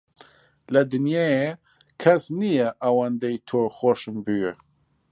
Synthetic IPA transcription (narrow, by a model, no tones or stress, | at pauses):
lɐd̪ɨnjaje | kʰɐsnijɛʔawand̪ejt̪ʰoːxoʃɨmbuje